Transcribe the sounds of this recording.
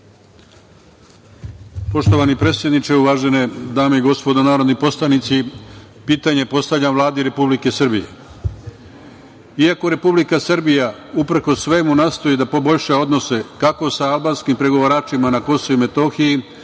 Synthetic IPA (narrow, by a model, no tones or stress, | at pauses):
po̞ʃt̪o̞ʋanipɾe̞t̪sje̞d̪nit͡ʃe̞uʋaːʒe̞ne̞d̪aːmeiɡo̞spo̞d̪onaːɾo̞d̪nipo̞slanit̪si | piːt̪aɲe̞po̞st̪aʋʎamʋvlˠaːd̪iɾe̞publike̞sɨr̩bije̞̰ | iako̞ɾe̞publikasrbijaupɾ̩kosʋe̞munaːst̪o̞jid̪apo̞bo̞ʎʃao̞d̪no̞se̞kako̞saːlˠbaːnskimpɾe̞ɡo̞ʋaɾaːt͡ʃimanako̞soime̞t̪o̞ːxiji